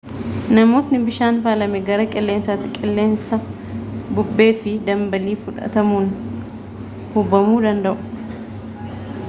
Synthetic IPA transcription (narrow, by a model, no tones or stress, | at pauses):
nɐmo̞ːsnɪbɪʃaːnfaːlɐmɛɡɐɾɐkʼɛlːe̞ːnsat̪ːɪkʼɪlːe̞ːnsɐ | bʊbːe̞ːfɪd̪ɐmbɐliːfʊᶑɐ̰t̪ɐmuːn | hʊbːɐmuːd̪ɐnd̪ɐʔʊ̥